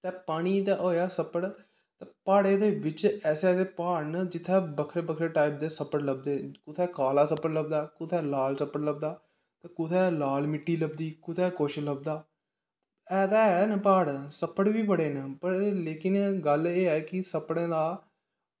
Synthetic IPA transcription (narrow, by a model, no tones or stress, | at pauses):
t̪ɛːpaːɽ̃iːt̪aʔoːjaːsəpəɽ | t̪ɛːpaːɽẽːd̪eːʋɪt͡ʃɛːseɛːseːpaːɾnd͡ʒɪt̪ʰːɛːbəkʰɾeːbəkʰɾeːʈaːɪp̚d̪eːsəpəɽləb̚d̪eːkʊt̪ʰɛːkaːlaːsəpːəɽləbd̪aːkʊt̪ʰɛːlaːlsəpːəɽləbd̪aː | t̪ɛːkʊt̪ʰɛːlaːlmɪʈːiːləbd̪iːkʊt̪ʰɛːkoːʃləb̚d̪aː | ɛːd̪aːɦɛːnəpaːɽsəpːəɽʋiːbəɽeːnəpəɾleːkɪnɡəleːɛːkɪsəpɽẽːd̪aː